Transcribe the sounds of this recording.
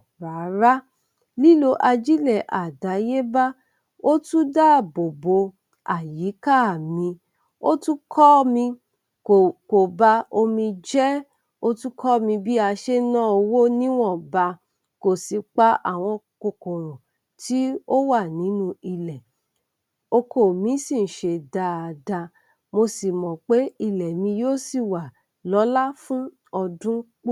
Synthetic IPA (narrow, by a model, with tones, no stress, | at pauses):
ɾa˨˦ɾa˦ | li˦lo˧ʔa˧d͡ʒi˦lɛ˨ʔa˨da˨˦je˦ba˦ | o˦tũ˦da˦˨bo˨bo˧˦ | a˨ji˨˦ka˦˨mĩ˧ | o˦tu˦kʰɔ˦mĩ˧ | o˨ko˨ba˧˦o˧mĩ˧d͡ʒɛ˦ | o˦tu˦kʰɔ˦mĩ˧bi˦a˧ʃe˦nã˦˨o˧wo˦nĩ˦w̃ɔ̃˦˨ba˧ | ko˨si˨k͡pa˦ʔa̰˦˨w̃ɔ̃˧ | ko˧˨kõ˨ɾɔ̃˨ | ti˦o˦wa˦˨nĩ˨˦nũ˧i˧lɛ˨ | o˧kʰo˨mĩ˨˦sĩ˦˨n̩˨ʃe˧da˧˨da˧ | mo˧si˨mɔ̃˨k͡pe˦i˦˨lɛ˨mĩ˧joː˦si˦˨wa˨ | lɔ˨˦la˦fũ˦ | ɔ˧dũ˦k͡p